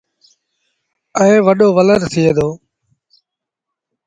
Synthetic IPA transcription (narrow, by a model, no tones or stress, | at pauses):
əẽːʋəɗoːʋələɾt̪ʰieːd̪oː